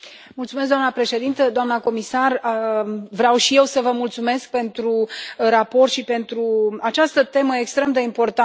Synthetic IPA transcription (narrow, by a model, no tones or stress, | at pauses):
mult̪sumes̬ɡd̪oamnəpɾe̞ʃe̞d̪int̪əd̪oamnəko̞misar | vɾeawʃije̞wsəvəmult̪sume̞sk̚pe̞nt̪ɾuɾapo̞rt̪ʃipe̞nt̪ɾuat͡ʃast̪ət̪e̞məjekst̪ɾe̞md̪e̞impo̞rt̪a